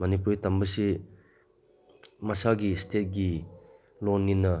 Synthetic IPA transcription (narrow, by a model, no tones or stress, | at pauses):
mɐnip̬ultɐmbɐsi | mɐsaɡistʰet̚ɡi | lonŋinːɐ